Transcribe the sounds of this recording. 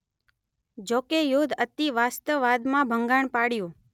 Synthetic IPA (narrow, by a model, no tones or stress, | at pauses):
d͡ʒokejod̪ʱət̪iʋast̪əʋːad̪mãbʱəŋɡaɳ̃paɽjõ